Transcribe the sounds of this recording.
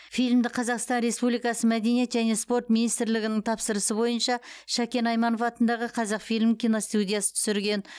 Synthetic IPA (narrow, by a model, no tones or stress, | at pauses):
fijlʲmd̪ɪqʰɑzɑqst̪ɑnɾe̞spublijkɑsəmæd̪e̞nije̞t̪ʒæne̞spo̞rt̪minijst̪ɪɾlɪɡʲɪnɪŋt̪ʰɑpsəɾəsəbo̞jənʃɑʃækʲe̞nɑjmɑno̞fɑt̪ənd̪ɑʁəqʰɑzɑqfijlʲmkʲijno̞st̪ud̪ijasə̥t̪ʰʏ̥sɪɾɡʲe̞n